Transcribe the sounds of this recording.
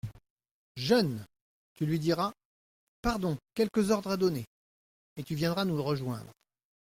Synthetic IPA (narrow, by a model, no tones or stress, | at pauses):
ʒœn | t̪ylɥid̪iʁa | paʁd̪ɔ̃kʲɛlkəzɔʁd̪ʁad̪ɔne | et̪yvjɛ̃d̪ʁanuʁəʒwɛ̰̃d̪ʁ